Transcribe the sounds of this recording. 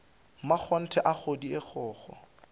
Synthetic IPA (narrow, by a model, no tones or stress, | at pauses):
mak͡xʰɔn̩tʰɛʔaχʰodiɪk͡xʰɔːχɔ̰